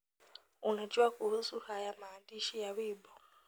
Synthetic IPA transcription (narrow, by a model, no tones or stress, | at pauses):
unat͡ʃʼiwakʼuɦusuhajamaːndiʃijaβiːbɔ